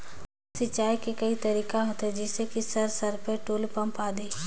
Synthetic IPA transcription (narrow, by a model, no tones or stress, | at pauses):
sɪt͡ʃːaːikekɐit̪ɐɾiːkaɦot̪ed͡ʒɪsekisɐɾsɐɾpeʈoːlpɐ̃mpaːd̪eː